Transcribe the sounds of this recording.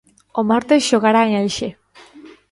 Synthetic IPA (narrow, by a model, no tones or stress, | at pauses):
omaɾt̪eʃoɣaɾaajʃe